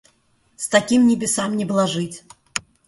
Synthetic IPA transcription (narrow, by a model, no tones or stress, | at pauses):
st̪ɐkʲimnʲɪbʲɪsamnʲɪbɨlˠaʐɨtʲ